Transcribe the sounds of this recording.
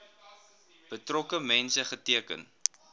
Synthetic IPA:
b̥ətrɔkəmɛnsəχətiəkə̰n

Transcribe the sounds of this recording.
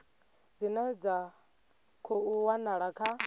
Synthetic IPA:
d͡zinɛd͡za | kʰouwanaɺakʰa

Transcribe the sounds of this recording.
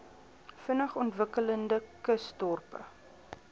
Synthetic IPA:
fənəχɔntvəkələndəkəstɔrpə̰

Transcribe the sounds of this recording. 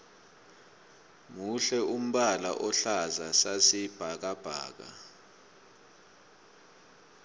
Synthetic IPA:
muɬɛum̩ɓala̰ʔɔɬazasasib̥ʱak̬ab̥ʱa̰ːk̬a̰

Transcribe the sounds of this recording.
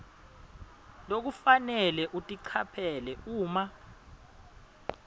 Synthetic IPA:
lok̬ufanɛlɛʔutʼiǀʰapʰɛlɛuːma

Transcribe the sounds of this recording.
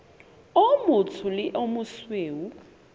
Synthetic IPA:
omʊt͡sʰʊlɪʔomʊsweːwu

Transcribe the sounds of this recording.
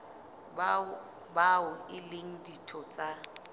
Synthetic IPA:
baʊɪleŋ̩ditʰɔt͡sʼa

